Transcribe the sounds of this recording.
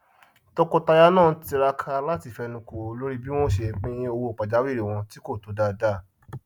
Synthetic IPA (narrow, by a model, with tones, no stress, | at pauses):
tɔ˧kɔ˧ta˧ja˦nãː˦˨˦ti˧ɾa˧kʰa˧la˦ti˦˨fɛ˧nũ˧ko˨˧lo˦ɾi˦bi˦w̃ɔ̃˦ʃe˧˨k͡pĩ˦o˧wo˧˦˨k͡pa˨d͡ʒa˨˦wi˦˨ɾi˨w̃ɔ̃˧ti˦ko˦˨to˨˦da˧˨da˦˨